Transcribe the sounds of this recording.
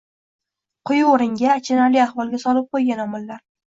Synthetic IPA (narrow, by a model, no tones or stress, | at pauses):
qʰʊjoɾɪŋɡʲat͡ʃʰɪnaɾlijahvɒlˠɡʲasɒlˠɪp̚qʰojɡʲanɒmʊlːaɾ